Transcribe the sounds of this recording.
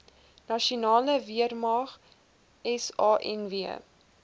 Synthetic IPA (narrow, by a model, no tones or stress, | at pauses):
nɐʃiunɑːləviərmɑːχ | ɛsɑːʔɛ̰nviə